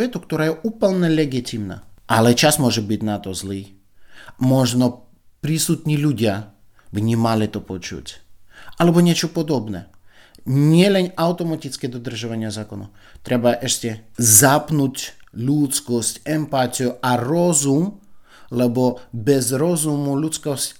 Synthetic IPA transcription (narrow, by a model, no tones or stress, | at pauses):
ɛt̪ukt̪ɔɾaːjɛʔuːpəlnɛlɛɡit̪imna̰ʔalɛt͡ʃasmʊɔʒɛbitnat̪ɔzliː | mɔʒnɔ | pɾisut̪ɲʲiːlʲuɟɪa | vɲʲimalɪt̪ɔpɔt͡ʃṵtʲʔalɛbɔɲʲɪɛt͡ʃɔpɔd̪ɔbnɛ | ɲɪɛlɛnawt̪ɔmat̪it͡skɛd̪ɔd̪r̩ʒaʋaɲɪazaːkɔnɔ̰ | t̪ɾɛbaʔɛʃcʲɛzapnucʲlʲut̪t͡skɔscʲɛmpat̪ʲijuaɾɔzum | lɛbɔbɛzɾɔzumulʲut͡sskɔscʲ